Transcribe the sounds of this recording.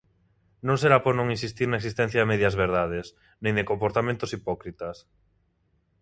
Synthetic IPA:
nõŋseɾapoɾnõŋinsist̪iɾnɐeksist̪ɛ̃n̟θjaemɛðjɐzβeɾðaðes | nẽŋd̪ekompoɾt̪amẽnt̪osipɔkɾit̪ɐs

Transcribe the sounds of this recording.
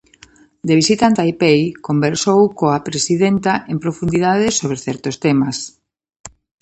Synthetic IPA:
d̪eβisit̪ant̪ajpejkombeɾsowkoapɾesiðent̪aʔempɾofund̪iðaðɪsoβɾeθɛɾt̪ost̪ɛmas

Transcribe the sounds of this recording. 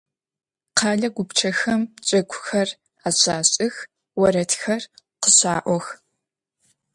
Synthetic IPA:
qʰɑːɮɐɡʷʊpt͡ʃʰɐxɐmt͡ʃʼɐkʷʰʼʊxɐr | aːɕaːɕʼɪx | wɐɾɐtʰxɐrqəɕaːʔʷɔx

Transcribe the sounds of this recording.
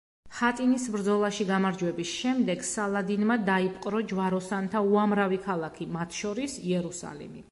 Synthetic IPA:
χat̪ʼinisbɾd̪zɔlˠaʃiɡamaɾd͡ʒwɛbisʃɛmd̪ɛɡsalˠad̪inmad̪aipʼqʼɾɔd͡ʒvaɾɔsant̪ʰauamɾavikʰalˠakʰimat̪ʰʃɔɾisiɛɾusa̰lḭmi

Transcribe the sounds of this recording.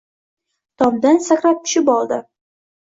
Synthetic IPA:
t̪ʰɒmd̪ansakɾap̚t̪ʰʊ̥ʃɪpɒlˠd̪ɪ

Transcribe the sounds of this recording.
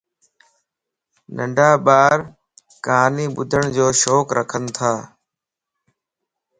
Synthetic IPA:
nəɳɖʱaːɓaːɾ | kaːniːɓʊd̪ʱəɳ̃d͡ʒoːʃoːkɾʔəkʰənt̪ʰaː

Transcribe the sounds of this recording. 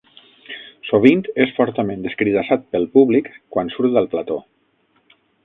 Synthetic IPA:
soβ̞int̪esfɔɾt̪əmẽnd̪əskɾiðasat̪̚pəlˠpuβlikkːwansuɾt̪d̪əlˠplat̪o

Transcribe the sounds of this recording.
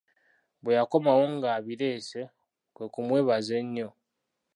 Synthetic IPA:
bwejako̞mawoŋɡaːβiɾe̞ːse̞ | kwe̞kumwe̞ːβaze̞ɲːo̞

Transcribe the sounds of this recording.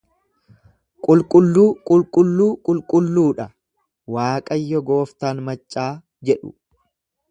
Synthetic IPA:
kʼʊlkʼʊlːuːkʼʊlkʼʊlːuːkʼʊlkʼʊlːuːᶑɐ | waːkʼɐjːɔɡo̞ːft̪aːnmɐt͡ʃʼːaː | d͡ʒɛᶑʊ̰

